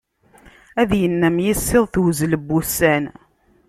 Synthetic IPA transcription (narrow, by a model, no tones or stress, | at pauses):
æðjənːæmjisːɪðˤθwzləbːusæn